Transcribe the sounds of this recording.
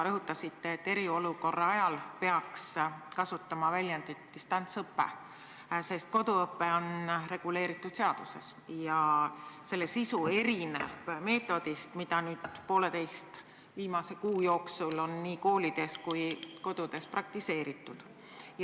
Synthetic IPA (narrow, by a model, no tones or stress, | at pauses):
ɾɤɦut̪ːˑɑsit̪ːeet̪ːe̞ɾio̞luko̞rːɑɑjɑlpe̞ɑkskɑsut̪ːˑɑmɑvælʲjɑnd̪̥et̪ːist̪ɑnt̪sɤpːḛ | se̞st̪̚ko̞d̪̥uɤpːe̞o̞nre̞ɡ̥ule̞ːɾit̪ːˑud̪̥se̞ɑd̪̥use̞̰sjɑse̞lːesisue̞ɾinḛbme̞ːt̪ːˑo̞d̪ist̪mid̪̥ɑnyːd̪̥po̞ːle̞t̪e̞jst̪ | viːmɑse̞kuːjo̞ːksulo̞nːiːko̞ːlid̪̥e̞skujko̞d̪̥ud̪̥e̞sprɑk̚t̪ise̞ːɾit̪ˑːud̪̥